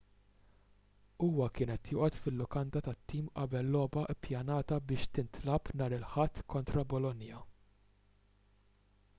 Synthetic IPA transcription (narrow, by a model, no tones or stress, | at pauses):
uːwɐkɪːnɛt̪jʊːʔɔt̪fɪlːʊkɐnd̪ɐt̪ɐt̪ːiːmʔɐbɛlːɔːbɐʔɪpjɐnɐːt̪ɐbɪːʃt̪ɪnt̪lɐpnɐːɾɪlħɐt̪ːkɔnt̪ɾɐbɔlɔnjɐ